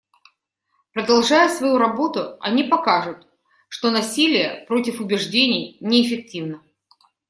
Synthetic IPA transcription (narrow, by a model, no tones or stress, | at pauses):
pɾəd̪ɐlˠʐajʊsvɐjuɾɐbo̞t̪ʊɐ̰nʲipɐkaʐʊt̪ | ʂt̪o̞nɐsʲilʲɪjəpɾo̞tʲɪfʊbʲɪʐdʲenʲɪjnʲɪːfʲɪk̚tʲivnə